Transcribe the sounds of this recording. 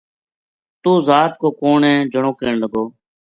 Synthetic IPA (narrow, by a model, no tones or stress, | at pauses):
t̪uːzaːt̪koːkoːɳẽːd͡ʒəɳõːkeːɳləɡoː